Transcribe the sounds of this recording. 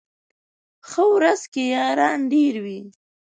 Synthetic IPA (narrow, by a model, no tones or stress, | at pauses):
xəwɾazkejɑːɾɑːnɖeɾwi